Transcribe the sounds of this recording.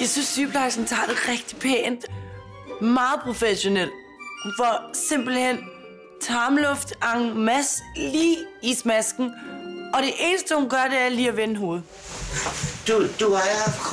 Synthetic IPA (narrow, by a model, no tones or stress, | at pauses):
jɑ̈ɪsysːyːb̥ʰlɑ̈ɪsn̩t͡sʰɑ̰̈d̥eʁɛɡ̥d̥i̥pʰḛːnd̥ | mɑ̈ːð̩ˠpʰʁo̝feɕo̝nel̰̥ | fɒ̽se̝m̰b̥l̩hen̰ | t͡sʰɑ̈ːmlɔfd̥ɑ̈ŋmæsliːismæsɡ̥n̩ɒ̽ɾ̥e̝ʔe̝ːnəsd̥əhunɡ̥ɶɐɾe̝æɐliːɐʋenəɦo̝ːð̞̩ˠ | d̥ud̥uaɑfʰ